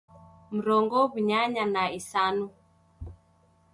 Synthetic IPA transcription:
m̩ɾɔŋɡɔβuɲaɲanaisanu

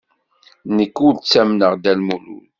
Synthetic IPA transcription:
nəkːʊɾt͡sːæmnəʁd̪ælmulṵn

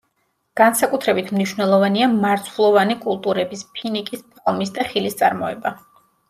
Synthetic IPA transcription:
ɡ̥ansakʼut̪ʰɾɛbit̪ʰmniʃwnɛlˠɔvaniamaɾt̪ʰvulˠɔvanikʼulˠt̪ʼuɾɛbispʰinikʼispʰɛlˠmisd̪aχilist̪sʼa̰ɾmɔɛba

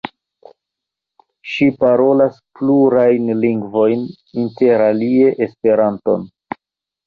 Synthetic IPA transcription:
ʃipaɾo̞laspluɾajnliŋɡvo̞jn | inte̞ɾalie̞ʔespe̞ɾanto̞̰n

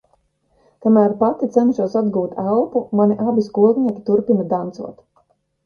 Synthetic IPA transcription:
kamæːɾpat̪it̪sɛnʃuɔsad̪ɡuːt̪ʰælˠpumaniʔabʲiskuɔɡniɛkʲi̥t̪uɾpinɐd̪ant̪sṵɔt̪

